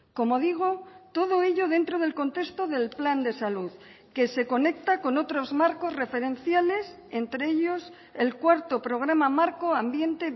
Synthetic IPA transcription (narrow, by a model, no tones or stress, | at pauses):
ko̞mo̞ðiɣ̞o̞t̪o̞ð̞o̞e̞ʎo̞ð̞e̞nt̪ɾo̞ð̞elko̞nt̪e̞st̪o̞ðe̞lpland̪e̞saluð | ke̞se̞ko̞ne̞k̚t̪ako̞no̞t̪ɾo̞zmaɾko̞zre̞fe̞ɾe̞nθjale̞s | e̞nt̪ɾeeʎo̞s | e̞lkwaɾt̪o̞pɾo̞ɣ̞ɾamamaɾko̞ambje̞nt̪e̞